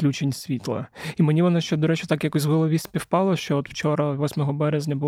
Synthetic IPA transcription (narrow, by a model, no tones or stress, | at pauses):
klʲut͡ʃenʲsʲʋʲit̪lˠɐ̰imenʲiʋɔnɑʃt͡ʃɛd̪ɔɾɛt͡ʃʊt̪ɑkjɐkusʲɦɔlˠɔʋʲisʲsʲpʲiwpɑlˠɐʃt͡ʃɔɔt̪w̥t͡ʃɔɾɐʋɔsʲmɔɦɔbɛɾezʲnʲɐbʊ